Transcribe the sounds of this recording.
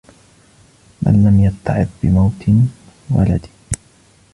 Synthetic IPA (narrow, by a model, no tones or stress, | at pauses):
ma̰nːamjat̪ːɑʕɪd̪bɪmawt̪ʰ | wa̰lad̪ɪ